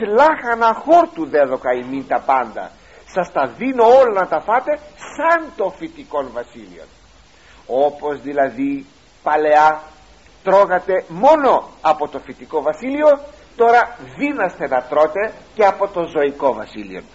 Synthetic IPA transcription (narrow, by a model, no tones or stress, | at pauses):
lɐxɐnɐxoɾt̪uðeðo̞kɐimint̪ɐpɐnd̪ɐ̰ | sɐst̪ɐðino̞olɐnɐt̪ɐfɐt̪e̞sɐnt̪o̞fit̪iko̞nvɐsilḭo̞̰n | o̞pozðilɐði | pɐle̞ɐ | t̪ɾo̞ɣɐt̪e̞mo̞noɐpo̞t̪o̞fit̪iko̞vɐsilio̞ | t̪o̞ɾɐðinɐst̪e̞nɐt̪ɾo̞t̪e̞ceɐpo̞t̪ozo̞iko̞vɐsilio̞̰n